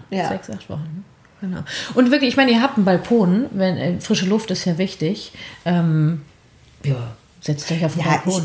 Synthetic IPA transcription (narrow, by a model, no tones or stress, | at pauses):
z̥ɛksʔa̰χtv̥ɔ̰χn̩ | ɡ̥ənaʊʔʊntv̥ɪɐklɪçɪçmaɪnəiːɐɦaːp̚tn̩balkʰoːnvɛnɛfʁ̥ɪʃəlʊftɪstjaːvɪçtɪçʔɛːm | ʔiːɐ | z̥ɛt͡stɔʏçaʊfn̩bakʰoːn